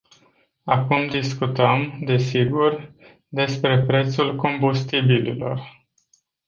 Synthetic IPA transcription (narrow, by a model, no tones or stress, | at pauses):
akumd̪iskut̪əmd̪e̞siɡur | d̪e̞spɾe̞pɾe̞t̪sulko̞mbust̪ibililo̞̰r